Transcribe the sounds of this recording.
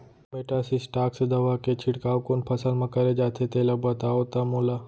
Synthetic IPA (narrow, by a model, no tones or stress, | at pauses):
meʈaːsisʈaːksd̪ɐʋaːket͡ʃʰɪɽkaːokoːnpʰɐsəlmɐ̃kɐɾed͡ʒaːt̪ʰet̪eːlɐbət̪aot̪amolaː